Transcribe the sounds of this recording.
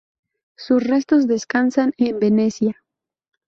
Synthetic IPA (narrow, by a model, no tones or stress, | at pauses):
susre̞st̪o̞zðe̞skansanembe̞ne̞sja